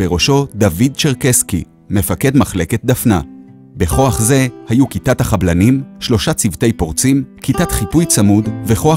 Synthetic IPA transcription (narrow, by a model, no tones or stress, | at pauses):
beʁo̞ʃo̞david̚t͡ʃeʁkeski | me̞fake̞dmaχle̞ke̞t̚d̪afna | be̞χo̞aχze̞hajukitathaχablanimʃlo̞ʃat͡sivt̪e̞jpo̞ʁt͡simkitat̪χipujt͡samudve̞χo̞a